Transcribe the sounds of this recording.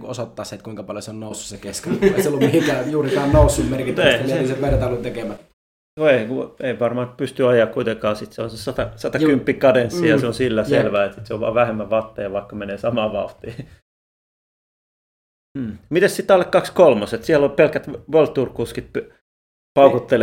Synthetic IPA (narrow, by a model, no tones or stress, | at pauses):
kuosot̪ːɑːset̪kuiŋkɑpɑljoseonnoˑusːu̥ssekeskenseolːumihikæjuːrit̪æːnnoˑusːummerkit̪eihæesesemeræt̪ɑlint̪ekemæt̪ | oeikueiʋɑrmɑːt̪̚pyst̪yɑjˑɑːkkuit̪ekɑːsit̪seonsesɑt̪ɑsɑt̪ɑkympːikɑdensijɑnseonsilːæselʋæːet̪sit̪seoʋʋɑ̰ːʋæhemːæʋɑt̪ːeɑʋɑikːɑmeneːsɑmɑːʋɑ̰t̪iː | mm̩ːmit̪essit̪ːɑlːekkɑkskolmoset̪siælolpelkæt̪ʋolt̪ːurkuskit̪̚p | pɑukot̪ːel